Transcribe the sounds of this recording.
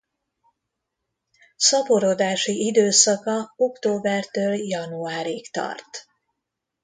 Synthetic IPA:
sɒpoɾod̪aːʃiʔid̪øːsɒkɒokt̪oːbɛrt̪øːljɒnuaːɾikt̪ɒ̰rt̪

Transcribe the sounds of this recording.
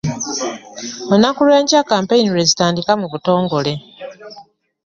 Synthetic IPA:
munakulwe̞ːɲcakaːmpe̞iniɾe̞zitaːndikamuβuto̞ːŋɡo̞le̞

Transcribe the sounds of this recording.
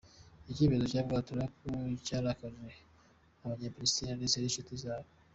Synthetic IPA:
iciβizocaːbɡaːtuɾakocaːɾakaʒe | aβaɲepɾistinaniseɾinʃutizaːβo

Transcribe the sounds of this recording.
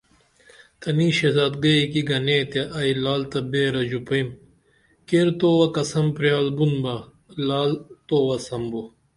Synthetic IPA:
t̪ɐniːɕezat̪̚ɡɐikiɡɐnet̪eʔɐjlaːlt̪ɐbeːɾɐd͡ʑupɐim | keɾt̪oːwɐkɐsɐmpɾjaːlbunbɐ | laːlt̪oːwɐsɐmbo

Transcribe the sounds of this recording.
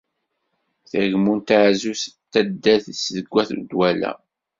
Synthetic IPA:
θəʝmunt̪aʕzust̪ːæd̪ːæθsðəɡʷːæθṵd̪wælæ̰

